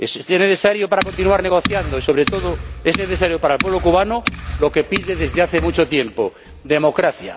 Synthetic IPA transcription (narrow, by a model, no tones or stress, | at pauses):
eseneθe̞saɾjopaɾako̞nt̪inuaɾneɣ̞o̞θjand̪oiso̞β̞ɾe̞t̪o̞ðoe̞zneθe̞s̬aɾjopaɾalpwe̞β̞lokuβ̞anolo̞ke̞piðe̞ðezðeaθemut͡ʃo̞t̪je̞mpo | d̪e̞mo̞kɾaθja̰